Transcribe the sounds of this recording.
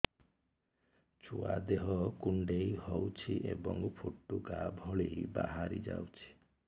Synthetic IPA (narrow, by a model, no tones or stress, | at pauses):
t͡ʃʰuad̪eɦɔkuɳɖejhowt͡ʃʰiʔebɔŋpʰoʈːuɡabʱɔɭejbaɦaɾid͡ʒawt͡ʃʰi̥